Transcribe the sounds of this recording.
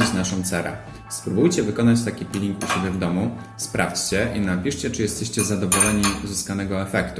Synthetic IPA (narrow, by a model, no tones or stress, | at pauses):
it͡ɕnaʂɔ̃w̃t̪sɛɾɛ̰ | spɾubujt͡ɕɛvɘkɔnat͡ɕt̪akʲipʲilʲiŋkuɕebʲjɛvd̪ɔmu | spɾʔa̰ft͡ɕt͡ɕɛʔinapʲiʂt͡ɕɛt͡ʂɨjɛst̪ɛɕt͡ɕɛzad̪ɔvɔlɛɲiuzɨskanɛɡɔɛfɛkt̪u